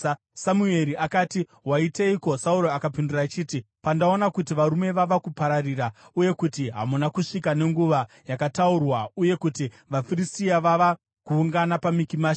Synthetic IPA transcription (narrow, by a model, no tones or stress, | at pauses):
samue̞ɾiakaːti | waiteiko̞sauɾo̞akapindurat͡ʃiːti | pandao̞nakutiʋaɾume̞ʋaʋakupaɾarirauje̞kutiɦa̰munakuʂikane̞ŋɡuʋa | jakataurwauje̞kuti | ʋafiristiaʋaʋa | kuːŋɡanapamikimaːʃ